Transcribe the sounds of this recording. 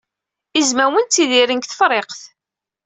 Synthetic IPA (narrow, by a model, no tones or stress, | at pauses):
izmæwənt͡s̪ːiðiɾənkθə̥fɾˤeqθ